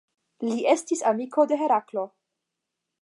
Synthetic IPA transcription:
liʔe̞stisamiko̞de̞ɦeɾaklo̞

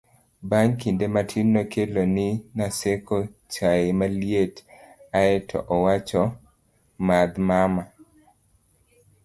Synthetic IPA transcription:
baɲkindematʰinːokʰelonɪnasekʰɔt͡ʃaemaljetaɛtʰɔ̰ʔɔwat͡ʃɔ | mad̪mama

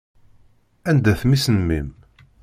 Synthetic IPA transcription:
ænd̪æθmisnəmːḭm

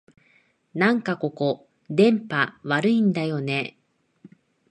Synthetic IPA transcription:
nãŋkako̞ko̞ | d̪ẽ̞mpaβaɾɯ̟ĩnd̪ajo̞ne̞

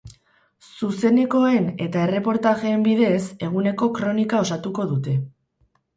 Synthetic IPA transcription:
suse̞ne̞ko̞e̞ne̞t̪ae̞re̞po̞ɾt̪aɣe̞ːmbiðe̞se̞ɣ̞une̞ko̞kɾo̞nikao̞sat̪uko̞ðut̪e̞

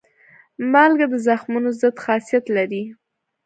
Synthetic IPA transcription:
mɑlɡad̪əzaxmunozəd̪xɑsijat̪laɾi

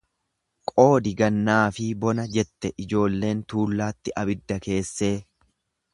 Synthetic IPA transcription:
kʼo̞ːd̪ɪɡɐnːaːfɪbɔnɐd͡ʒɛt̪ːɛʔɪd͡ʒo̞ːlːe̞ːnt̪uːlːaːt̪ːɪʔɐbɪd̪ːɐke̞ːsːe̞ː

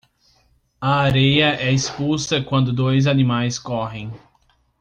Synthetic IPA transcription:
ɐaɾejɐʔɛispusɐkwɐ̃nd̪ʊd̪ojz̬anĩmajskɔɦẽj̃

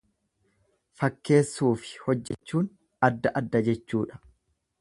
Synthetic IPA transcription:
fɐkːe̞ːsːuːfɪ̥hɔd͡ʒːɛt͡ʃːuːn | ɐd̪ːɐʔɐd̪ːɐd͡ʒɛt͡ʃːuːᶑɐ̥

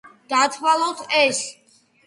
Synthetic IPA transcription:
d̪̥at̪ʰwalˠɔt̪ʰɛs

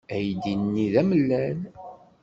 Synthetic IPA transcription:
æjd̪inːiðæməlːæn

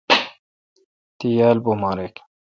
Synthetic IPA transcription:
t̪ijaːlbomaɾek

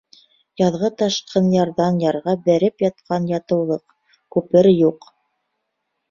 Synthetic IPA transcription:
jɑðʁɤt̪ɑʃqʰɤnjɑɾðɑnjɑɾʁɑbæɾɘpjɑt̪̚qʰɑnjɑt̪ɤ̆wlˠɤq | kʉpɘɾjuq

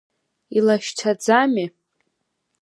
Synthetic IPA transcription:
ilaʃtʰad͡zami

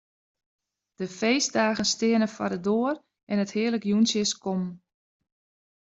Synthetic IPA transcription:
d̥əfejsdaːɣənstɪənəfadədoər | ʔɛnəthɪələkjunsjəskɔm

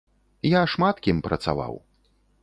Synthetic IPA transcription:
jaʂmat̪kʲimpɾʔɐ̰t̪sa̰va̰w

